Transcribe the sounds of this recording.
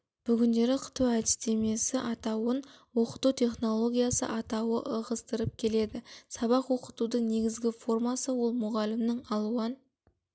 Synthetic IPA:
b̥ʏɡʲɪnd̪e̞ɾɪqʰə̥t̪uæd̪ɪst̪e̞me̞sɪʔɑt̪ɑwənwo̞qə̥t̪ut̪ʲʰe̞χno̞lˠo̞ɡʲijasə̰ʔɑt̪ɑwəʔəʁəst̪əɾəp̚kʲʰe̞le̞d̪ɪsɑβɑqwo̞qət̪ud̪əɴne̞ɡʲɪzɡʲɪfo̞rmɑsəwo̞lˠmʊʁɑlɪmnɪŋɑlˠuən

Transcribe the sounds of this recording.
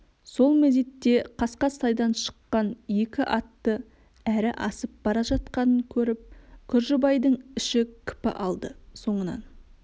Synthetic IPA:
so̞lˠmezet̪ːe̞qʰɑsqɑsɑjd̪ɑnʃə̥qːɑnje̞kʲɪʔɑt̪ːə | æɾɪʔɑsəp̚b̥ɑɾɑʒɑt̪̚qɑnəŋkʲʰɵɾɪp̚kʲʰʏɾʒɪbɑjd̪əɴɪʃɪkʲʰʏ̥pɪ̰ʔɑlˠd̪əso̞ɴənɑ̰n

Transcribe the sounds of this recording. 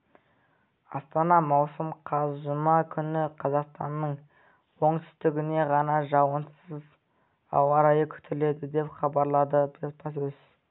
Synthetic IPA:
ɑ̰st̪ɑnɑmɑwsəmqʰɑzʒʊmɑkʲʰʏnɪqʰɑzɑqst̪ɑnːəɴ | wo̞ɴt̪ʰʏ̥st̪ɪɡʲɪne̞ʁɑnɑʒɑwənsəz | ɑ̰wɑɾɑjəkʲʰʏ̥t̪ʰɪle̞d̪ɪd̪e̞pχɑbɑɾlˠɑd̪əbʰet̪pɑs̬ɵz

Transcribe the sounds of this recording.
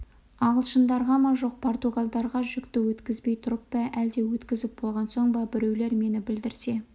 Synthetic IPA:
ɑʁəlˠʃənd̪ɑɾʁɑmɑʒo̞q̚pʰo̞rt̪uɡalˠd̪ɑɾʁɑʒʏkt̪ɪwɵt̪kʲɪzbe̞jt̪ʰʊɾəpbɑʔæld̪e̞wɵt̪kʲɪzɪp̚bo̞lˠʁɑnso̞ɴbɑbɪɾe̞wle̞ɾme̞nɪbɪld̪ɪɾse̞

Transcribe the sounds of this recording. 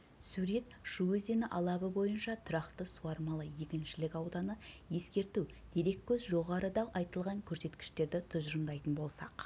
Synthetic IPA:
suɾe̞t̪ʃuɵzenɪʔɑlˠɑbəbo̞jənʃɑt̪ʰʊɾɑqt̪əsuɑɾmɑlˠəje̞kʲɪnʃɪlɪkʲɑwd̪ɑnəje̞skʲe̞ɾt̪uwd̪̥e̞ɾe̞kʲʰːɵzʒo̞ʁɑɾʔəd̪ɑʔɑjt̪əlˠʁɑŋkʲʰɵɾse̞t̪kʲɪ̥ʃt̪e̞ɾd̪ɪt̪ʰʊzʒənd̪ɑjt̪ənbo̞lˠsɑq

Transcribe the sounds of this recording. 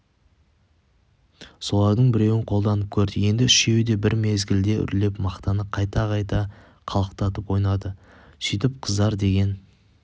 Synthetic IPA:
so̞lˠɑɾd̪əɴbɪɾe̞wɪɴqʰo̞lˠd̪ɑnəp̚kʲʰɵɾd̪ɪje̞nd̪ɪʏʃe̞wd̪e̞bɪɾme̞zɡʲɪld̪e̞ʏ̰ɾle̞pmɑqt̪ɑnəqʰɑjt̪ɑqɑjt̪ɑ | qʰɑlˠəq̚t̪ɑt̪əpwo̞jnɑd̪ə | sijt̪ɪp̚qʰəzd̪ɑɾd̪e̞ɡʲe̞n

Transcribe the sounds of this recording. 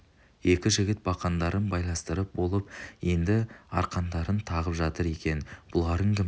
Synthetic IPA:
je̞kʲɪʒɪɡʲɪt̪̚bɑqɑnd̪ɑɾʔənbɑjlˠɑnst̪əɾəp̚bo̞lˠəp̚je̞nd̪ɪɑ̰ɾqɑnd̪ɑɾənt̪ʰɑʁəpʒɑt̪əɾe̞kʲe̞nbʊlˠɑɾəŋɡʲɪm

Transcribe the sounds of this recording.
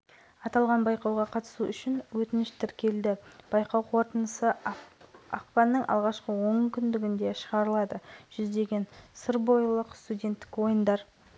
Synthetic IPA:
ɑt̪ɑlˠʁɑnbɑjqɑwʁɑqʰɑt̪ə̥suʔʏʃɪnwɵt̪ɪnɪʃt̪ʰɪɾkʲe̞ld̪ɪb̥ɑjqɑwqʰo̞ɾt̪ənəsə | ɑ̰qpɑnːəɴʔɑ̰lˠʁɑʃqəwo̞ŋkʲʰʏnd̪ɪɡʲɪnd̪e̞ʃəʁɑɾəlˠɑd̪əʒ̥ʏzd̪e̞ɡʲe̞nsəɾbo̞jlˠəqst̪ud̪ʲe̞nt̪ːɪ̥kwo̞jənd̪ɑɾ

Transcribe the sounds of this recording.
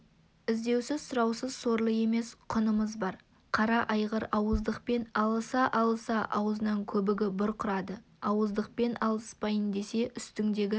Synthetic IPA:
ɪzd̪e̞wsɪzsʊɾɑwsəzso̞ɾlˠəje̞me̞sqʰʊnəməzbɑɾ | qʰɑɾɑʔɑjʁəɾɑwəzd̪əqpe̞nɑlˠəsɑʔɑlˠəsɑʔɑwəzənɑŋkʲʰɵbɪɡʲɪbʊɾqʰʊɾɑd̪ə | ɑwəzd̪əq̚pe̞nʔɑlˠəspɑjənd̪e̞se̞ʔʏst̪ɪŋd̪e̞ɡʲɪ

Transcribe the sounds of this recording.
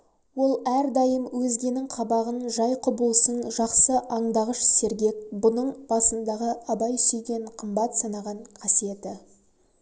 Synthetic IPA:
wo̞lˠæɾd̪ɑjəmwɵzɡʲe̞nɪŋqʰɑbɑʁənʒɑjqʰʊbəlˠsənʒɑqsəʔɑɴd̪ɑʁəʃse̞ɾɡʲe̞k̚bʊnəɴb̥ɑsənd̪ɑʁəɑbɑjsʏjɡʲe̞ɴqʰəmbɑt̪sɑnɑʁɑɴqʰɑsije̞t̪ɪ

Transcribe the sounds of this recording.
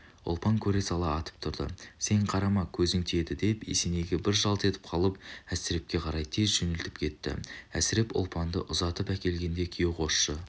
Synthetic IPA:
ʊ̰lˠpɑŋkʲʰɵɾe̞sɑlˠɑːt̪ə̥p̚t̪ʰʊɾd̪ə̰se̞ɴqʰɑɾɑmɑkʲʰɵzɪŋt̪ʰe̞d̪ɪd̪e̞pḛsene̞ɡʲe̞bɪɾʒɑlˠt̪e̞t̪ɪ̥p̚qʰɑlˠəp̚æsɪɾe̞p̚kʲe̞qʰɑɾɑjt̪ʰe̞zʒʏnɪlt̪ɪ̥pkʲʰe̞t̪ːɪ̰æ̰sɪɾe̞pʊ̰lˠpɑnd̪ə̰ʔʊzɑt̪əpækʲe̞lɡʲe̞nd̪e̞kʲʰijeqʰo̞sʃə

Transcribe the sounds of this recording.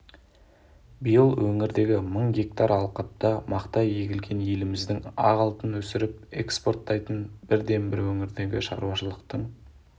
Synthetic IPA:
bijəlˠwɵŋɪɾd̪e̞ɡʲɪməɴɡʲe̞k̚t̪ɑɾɑlˠqɑt̪ːɑmɑqt̪ɑje̞ɡʲɪlɡʲe̞nje̞lɪmɪzd̪ɪŋɑ̰ʁɑlˠt̪ənwɵsɪɾɪp̚e̞̰kspo̞rt̪ːɑjt̪ənb̥ɪɾd̪e̞mbɪɾwɵŋɪɾd̪e̞ɡʲɪʃɑ̰ɾuwɑʃəlˠəqt̪əɴ

